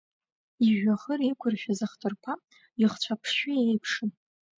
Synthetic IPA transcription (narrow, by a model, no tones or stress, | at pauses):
iʒᶣaχərikʷʰʊrʃᶣazaχtʰʼɨrkʷʰa | iχt͡ɕʷʰapʰʂʃɪejpʰʂɨn